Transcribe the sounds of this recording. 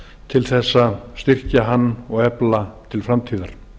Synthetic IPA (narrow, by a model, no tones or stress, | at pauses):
t̪ʰɪlθɛsːast̪ɪr̥caɦanːɔɣɛplat̪ʰɪlfɾamt̪ʰiːðaɾ̥